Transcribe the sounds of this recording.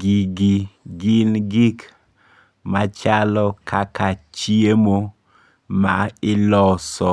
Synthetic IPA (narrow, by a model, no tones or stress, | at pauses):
ɡiɡiɡɪnɡik | mat͡ʃalɔkʰakat͡ʃiemo | maɪlɔsɔ